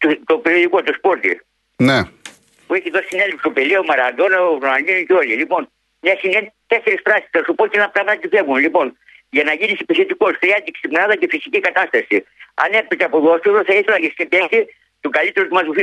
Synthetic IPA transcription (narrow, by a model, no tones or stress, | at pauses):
t̪ut̪opeɾio̞ðikot̪ospo̞ɾt̪ḭ | ne | pueçit̪oɾsine̞lepsopeleomɐɾɐd̪oneɾonɐlinuceo̞lilipo̞n | ɲɐsinent̪eseɾisfɾɐsi̥stɐsupoɾt̪ienɐpɾɐɣmɐt̪it̪iθevumlipo̞n | ʝɐnɐʝinisi̥peθot̪iko̞skɾiɐt̪iksipnɐðɐcefisicikɐt̪ɐst̪ɐsiɐ̰nepet̪eɐpoðost̪osoθɐiθelɐʝest̪inpeksi | t̪uɡɐlit̪eɾot̪umɐzufi